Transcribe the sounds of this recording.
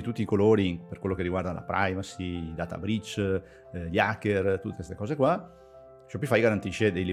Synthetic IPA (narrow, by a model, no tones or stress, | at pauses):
it̪ut̪ːiːkoloːɾiperkwelːokerːiɡward̪ala̰pɾʔa̰jvasid̪aːt̪a̰bɾit͡ʃ | ʎakːert̪ut̪ːekest̪e̥kɔːzekwa | t͡ʃɛpːɔjfajɡaɾant̪iʃːed̪ejli